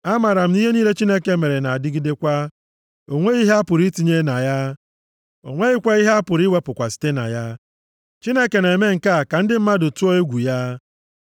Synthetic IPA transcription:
a˦ma˨ɾa˨m̩˦ni˦ɦe˦ni˦ɦe˦t͡ʃi˦ne˦ke˦me˨ɾe˨na˨a˨dɪ˦ɡi˦de˦kʷa˦ | o˨ŋʷe˦i˦ɦe˦a˦pʊ˨ɾi˦ti˨ɲe˦na˨ja˦ | o˨ŋʷe˦ɪ˦kʷa˦i˦ɦe˦a˦pʊ˨ɾi˦we˦pʊ˨kʷa˨si̥˦te˦na̰˨ja˦ | t͡ʃi˦ne˦ke˨ne˨me˦ŋ̩˨ka˦˨ka˨n̩˦dɪ˦m̩˦ma˦dʊ˨tu˦o˦e˦ɡʷu˨ja˦

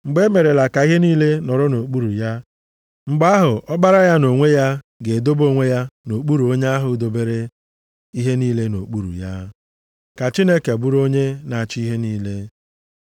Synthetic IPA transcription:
ŋ͡m̩˨ɡ͡be˦me˨ɾe˨la˨ka˨i˦ɦe˦niː˦le˦nɔ˨ɾʊ˦no˨k͡pu˦ɾu˨ja˦ | ŋ͡m̩˨ɡ͡ba˦ɦʊ˨ʔɔ˦ɡ͡ba˦ɾa˦ja˦no˨ŋʷe˦ja˦ | ɡe˨do˦bo˦˨ŋʷe˦ja˦no˨k͡pu˦ɾu˨o˦ɲe˦a˦ɦʊ˨do˨be˦ɾe˦ | i˦ɦe˦niː˦le˦no˨k͡pu˦ɾṵ˨ja˦ | ka˨t͡ʃi˦ne˦ke˨ɡ͡bu˦ɾo˦ɲe˦na˨t͡ʃi˦i˦ɦe˦niː˦le˦

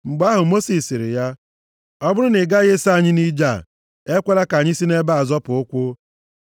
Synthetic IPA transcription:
ŋ͡m̩˨ɡ͡ba˦ɦʊ˨mo˦si˨si˨ɾɪ̰˨ja˦ | ɔ˦bʊ˦ɾʊ˦nɪ˨ɡa˦ɣe˦sa˦˨ɲɪ˦ni˦d͡ʒa˦˨ | e˦kʷe˦la˦ka˨ɲɪ˦si˦ne˦ba˦a˨zɔ˦pʊ˨ʊ˦kʷʊ˦

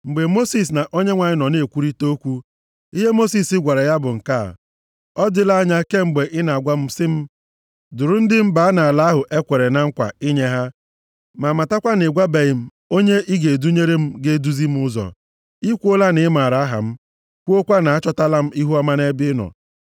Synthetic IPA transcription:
ŋ͡m̩˨ɡ͡be˨mo˦si˨s̬na˨ʔo˦ɲe˦ŋʷa˨ɲɪ˦nɔ˨ne˨kʷu˦ɾi˦to˦kʷu˦ | i˦ɦe˦mo˦si˨sɪ˦ɡʷa˨ɾa˨ja˦bʊ˨ŋ̩˨ka̰˦˨ | ɔ˦dɪ˦la˦ɲa˦ke˦ŋ͡m̩˨ɡ͡be˨ʔɪ˦na˨a˨ɡʷa˦m̩˦sɪ˦m̩˦ | dʊ˨ɾʊ˨n̩˦dɪ˦m̩˦ba˨a˦na˨a˨la˦ɦʊ˨ʔe˦kʷe˨ɾe˨na˨ŋ̩˦kʷa̰˨i˦ɲe˦ɦa˦ | ma˨ma˨ta˦kʷa˦ne˨ɡʷa˦be˨ɪ˨m̩˦ | o˦ɲe˦ʔi˦ɡe˨du˦ɲe˦ɾe˦m̩˦ɡe˦du˦zi˦m̩˦ʊ˦zɔ̰˨ | i˦kʷu˦o˦la˦nɪ˨˦ma˨ɾa˨˦ɦa̰˨m̩˦ | kʷu˦o˦kʷa˦na˨a˦t͡ʃɔ˦ta˦la˦m̩˦i˦ɦu˦a˦ma˦ne˦bɪ˦nɔ̰˨

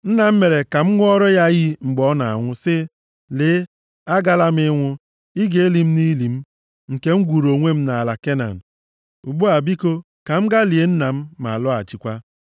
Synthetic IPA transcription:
n̩˦na˨m̩˦me˨ɾe˨ka˨m̩˦ŋʷ˦ɔ˦ɾɔ˦ja˦ɣi˦ŋ͡m̩˨ɡ͡bɔ˨˦na˨a̰˨ŋʷʊ˦sɪ˦ | lɪ˦ | a˦ɡa˦la˦m˦ɪ˦ŋʷʊ˦ | i˦ɡe˦e˦li˨m̩˦ni˦li˨m̩˦ | ŋ̩˨ke˦ŋ͡m̩˦ɡʷu˨ɾo˨ŋʷe˦m̩˦na˨a˨la˨ke˦na̰˨n̩˨ | u˨ɡ͡bu˦a˨bi˦ko˦ | ka˨m̩˦ɡa˦li˨e˨n̩˦na˨m̩˦ma̰˨lɔ˦a̰˨t͡ʃi˨kʷa˦

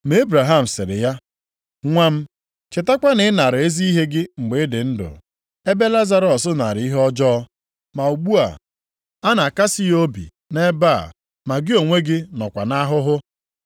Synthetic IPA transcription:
me˨˦e˦bɾa˨ɦa˦m̩˨sɪ̰˨ɾɪ̰˨ja˦ | ŋʷa˦m̩˦ | t͡ʃɪ˨ta˦kʷa˦nɪ˨˦na˨ɾe˦zi˦i˦ɦe˦ɡɪ˦ŋ͡m̩˨ɡ͡be˨˦dɪ˨n̩˦dʊ̰˨ | e˦be˦la˦za˦ɾɔ˨sʊ˦na˨ɾi˦ɦɔ˦d͡ʒɔ˦ | ma˨u˨ɡ͡bu˦a̰˨ | a˦na˨ka˦si˦jo˦bḭ˨ | ne˦ba˦˨ | ma˨ɡɪ˦o˨ŋʷe˦ɡɪ˦nɔ˨kʷa˨na˦ɦʊ˦ɦʊ˦

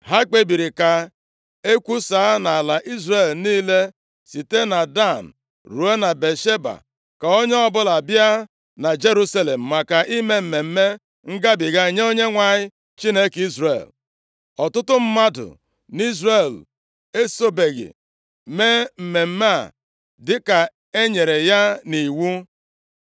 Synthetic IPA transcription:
ɦa˦k͡pe˦bi˨ɾi˨ka˨ | e˦kʷu˦saː˨˦na˨a˨la˨ʔi˦zre˨lniː˦le˦ | si˨te˦na˨da˦˨n̩˨ | ɾu˨e˦na˨be˨ʃe˦ba̰˨ | ka˨o˦ɲe˦ɔ˦bʊ˦la˨bja˦ | na˨d͡ʒe˦ɾu˦sa˦le˨m̩˨ma˨ka˨ʔi˦me˦m̩˨me˨m̩˦me˦ | ŋ̩˦ɡa˦bɪ˨ɡa˦˨ɲe˦o˦ɲe˦ŋʷa˨ɲɪ˦ | t͡ʃi˦ne˦ki˦zɾḛ˨l | ɔ˨tʊ˦tʊ˦m̩˦ma˦dʊ̰˨ | ni˦zɾe˨l | e˦so˦be˨ɣɪ̰˨ | me˦m̩˨me˨m̩˦ma˦a˨ | dɪ˦ka˨ | e˦ɲe˨ɾe˨ja˦ni˨wu˦

